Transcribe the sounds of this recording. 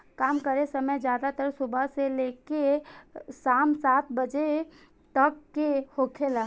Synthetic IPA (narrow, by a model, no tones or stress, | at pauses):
kaːmkəɾesəməjd͡ʒjaːd̪at̪əɾsʊbʱaseleːke | saːmsaːt̪̚ʰbəd͡ʒe | ʈəkːehoːkʰela